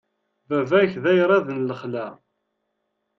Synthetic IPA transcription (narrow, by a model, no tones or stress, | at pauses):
vævæçðæjɾˤɑðənləχlæ